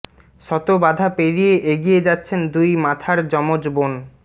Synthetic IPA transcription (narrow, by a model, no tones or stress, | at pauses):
ʃɔt̪obad̪ʱapeɾijeʔeɡied͡ʑatːɕʰend̪ujmat̪ʰaɾd͡ʑɔmod͡ʑbon